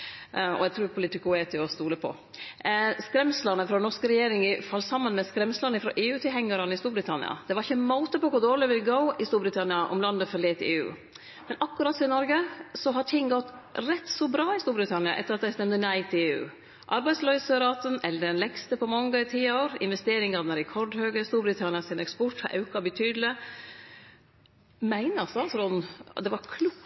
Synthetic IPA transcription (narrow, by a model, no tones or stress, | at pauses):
ɔ̰ɛɡt̪ʰɾuːɾpʰʊlɪt̪ɪkʊeːt̪ʰɪɔst̪uːləpʰɔ̰ | skɾɛmslənəfɾɔnɔʂkəɾɛjeːɾɪŋɪfɑlːsɑmːənmɛskɾɛmslənəfɾɔ̰ʔeːʉːt̪ʰɪlhɛŋːɑɾənəɪst̪uːɾbɾɪt̪ʰɑnɪ̰ɑ̰d̪̥ɛʋɑɾɪçːəmoːt̪əpɔkʊɾd̪oːɾɭɪʋɪlɡoʊɪst̪uːɾbɾɪt̪ʰɑnɪɑʔɔ̰mlɑnd̪əfɔleːt̪eːʉ̰ː | mɛnʔɑkːʉɾɑt̪sɔɪnɔɾɡəsɔɦɑʈʰɪŋːɡɔt̪ːɾɛt̪ːsɔbɾɑːɪst̪uːɾbɾɪt̪ʰɑnɪɑ̰ʔɛ̰t̪ːəɾɑt̪̚d̪æɪst̪ɛmd̪ənæɪt̪ʰɪeːʉ̰ː | ʔɑɾbæɪd̪slœʏsəɾɑːt̪ənɛlːəɾɛnlɛkst̪əpɔmɔŋːət̪ʰiːɑoːɾɪ̰nʋɛst̪eːɾɪŋɑd̪ɛnɾɛkʰɔɖhøːɡəst̪uːɾbɾɪt̪ʰɑnɪɑsɪnɛkspɔʈhɑ̰ɾʔɑ̰ʉkɑbət̪ʰyːd̪lɪ | mæɪnəɑsɔɑlsɾɔnd̪ɛʋɑɾkʰlu